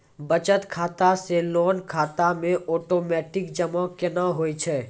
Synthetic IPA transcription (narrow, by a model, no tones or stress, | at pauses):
bət͡ʃət̪kʰaːt̪aselɔːnkʰaːt̪amẽʔɔːʈoːmɛːʈɪkd͡ʒəmakɪnaɦoːit͡ʃʰɛː